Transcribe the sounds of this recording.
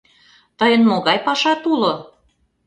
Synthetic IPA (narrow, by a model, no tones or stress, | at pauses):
t̪əjənmoɣɑjpɑʃɑt̪ulo